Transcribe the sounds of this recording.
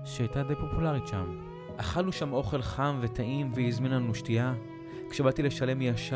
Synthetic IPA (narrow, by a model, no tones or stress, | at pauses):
ʃeajtad̪e̞jpo̞pulaʁitʃam | ʔaχanuʃamo̞χe̞lχamve̞taʔimveizminanuʃtia | kʃebatile̞ʃale̞mjaʃa